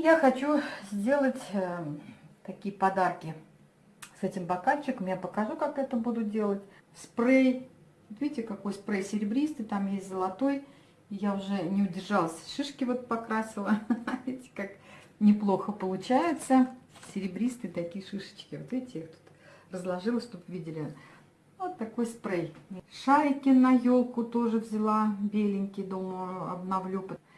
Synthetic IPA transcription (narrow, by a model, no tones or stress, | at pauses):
jaxɐt͡ɕuzʲdʲe̞lˠətʲə | t̪ɐkʲijəpɐd̪arkʲɪ | sɛtʲɪmbɐkalʲt͡ɕːɪkəmjapəkɐʐukakɛt̪əbud̪ʊt̪̚dʲe̞lˠətʲsprej | vot̪vʲidʲɪtʲɪkɐko̞jspɾejsʲɪɾʲɪbɾʲist̪ɨt̪amjesʲtʲzəlˠɐt̪o̞j | jaʊʐɛnʲɪʊdʲɪrʐɑlˠəsʲʂɨʂkʲɪvo̞t̪̚pɐkɾasʲɪlˠəaetʲɪ̥kaknʲɪplˠoxəpəlˠʊt͡ɕæjɪt̪səsʲɪɾʲɪbɾʲist̪ɨːt̪ɐkʲijəʂɨʂə̥t͡ɕkʲɪvot̪vʲidʲɪtʲɪixt̪u̥t̪ | rəzlˠɐʐɨlˠəsʲʃt̪opvʲidʲɪlʲɪ | ot̪ːɐko̞jspɾejʂaɾʲɪkʲɪnɐjolˠkʊt̪o̞ʐɨvʲzʲɪlˠabʲelʲɪnʲkʲɪjd̪oməɐ̰bnavlʲupət̪